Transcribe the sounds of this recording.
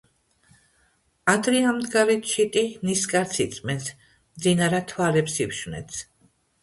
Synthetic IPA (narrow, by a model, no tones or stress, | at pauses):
ad̪ɾiamd̪ɡaɾɛt̪ʰʃit̪ʼimniskʼaɾt̪sʰit̪sʼmɛns | md̪zinaɾat̪ʰwalɛpsipʃvnɛ̰t̪sʰ